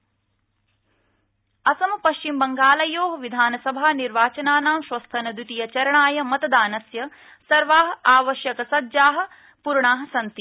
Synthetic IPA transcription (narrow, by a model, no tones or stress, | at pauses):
ɐsɐmɐpɐʃt͡ʃimbɐŋɡaːlɐjoːɦɐʋid̪ʱaːnɐsɐbʱaːniɾʋaːt͡ʃɐnaːnaːmʃʋɐst̪ʰɐnɐd̪ut̪ijɐt͡ʃɐɾɐɳaːjɐmɐt̪ɐd̪aːnɐsjɐ | sɐɾʋaːɦɐ̆aːʋɐʃjɐkɐsɐdd͡ʒaːɦɐ̆ | puɾɳaːɦɐ̆sɐnt̪i